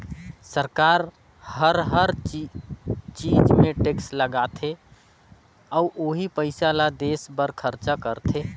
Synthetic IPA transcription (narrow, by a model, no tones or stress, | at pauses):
səɾkaɾ | həɾɦəɾ | t͡ʃid͡ʒmeʈeksləɡat̪ʰe | auʔoɦipəɪsalad̪esbəɾkʰəɾt͡ʃakəɾt̪ʰe